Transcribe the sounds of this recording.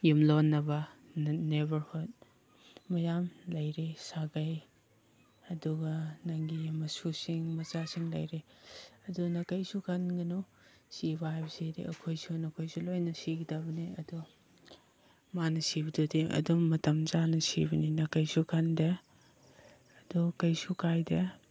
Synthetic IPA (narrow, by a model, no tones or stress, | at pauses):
jumlonːɐbɐnebɐɾhud̚ | mɐjamlɐjɾesaɡɐj | ɐduɡɐnɐŋɡimɐsusiŋmɐzasiŋlɐ̰jɾeɐdunɐkɐjsukʰanɡɐno | sibaɦajbɐseɾḭɐkʰojsunɐkʰojsulojnɐsiɡidabɐniɐdu | manɐsibɐdodiʔɐ̰dumːɐtɐmzanɐsḭbɐninɐkɐjsukʰandɐ | dukɐjsukajdɐ